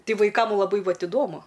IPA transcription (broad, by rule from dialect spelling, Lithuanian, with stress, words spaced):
ˈtʲɪ ʋɐɪˈkɐm lˠɐˈbɐɪ ˈʋɐt ɪˈdoːmʊ